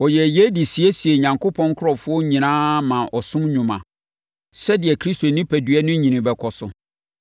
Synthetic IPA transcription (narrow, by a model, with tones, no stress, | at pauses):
ɔ˨jɛ˨jɛ˦di˨si˨æ˦si˨e˨ɲã˨ŋkʰo˦pʰɔ̃˦ŋ˦kʰʊ˦ɾɔ˨fʊ˦ɔ˦ɲĩ˨nãː˦mã˨ʔɔ˨sʊ̃˦mɲʊ̃˨mã˨ | sɛ˦dɪ˨ɛ˨kʰɾi˦sto˨nĩ˦pʰæ˨dɥɛ˦nʊ̃˦ɲĩ˨nɪ̃˨bɛ˨kʰɔ˨sʊ̰˨